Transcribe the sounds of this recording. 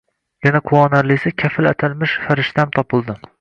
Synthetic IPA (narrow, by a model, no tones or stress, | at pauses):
janaqʰʊwɒnaɾlɪsɪkʲʰafɪlat̪ʰalmɪʃfaɾɪʃt̪ʰamt̪ʰɒpɨlˠd̪ɪ